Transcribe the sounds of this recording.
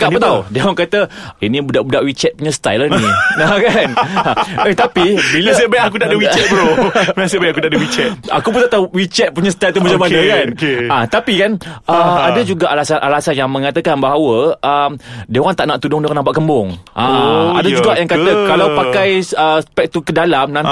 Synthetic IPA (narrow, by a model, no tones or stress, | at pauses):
kaʔpət̪awdawaŋkat̪əinĩbudaʔbudaʔwit͡ʃɛt̪̚puɲãst̪a̰jlaniakan | et̪apibilsəbajak̬unaʔdəwit͡ʃɛt̪̚bəɾomasəbajakut̪aʔdəwit͡ʃɛt̪a̰kupunt̪aʔt̪awwit͡ʃɛt̪̚puɲast̪ajlt̪umat͡ʃamanəkankãt̪apikanʔəadad͡ʒuɡaʔalasanʔalasanjaŋmə̃ŋat̪əkanbaɦawəʔəmdeɣaŋt̪aʔnaʔt̪udʊŋdeanãmpaʔkəmbʊŋʔãa̰dad͡ʒuɡaʔjaŋkat̪əkalawpakkajsəspɛk̚t̪ukədalamnã